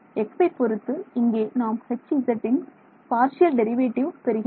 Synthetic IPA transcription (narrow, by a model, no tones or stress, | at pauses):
ɛkpɐɪpːɔɾɯt̪ːɯɪŋɡeːnaːmhɛt͡ʃːiɪzɐʈːɪn | paːɾʂɪjɐlɖɛɾɪʋeːʈːɪʋpɛɾɯɣɪ